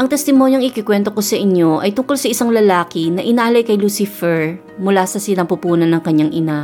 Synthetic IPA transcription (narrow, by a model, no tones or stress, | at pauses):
ʔɐŋt̪ɛst̪ɪmo̞ɲjɐŋɪkɪkwɛnt̪o̞kosɐʔɪɲjo̞ʔɐjt̪ʊŋkolsɐʔɪsaŋlɐlaːkɪnɐʔɪnaːlɐjkɐjlusɪfɛɹ | mʊlasɐsɪnɐŋpupuːnɐnːɐŋkɐɲːaŋʔɪna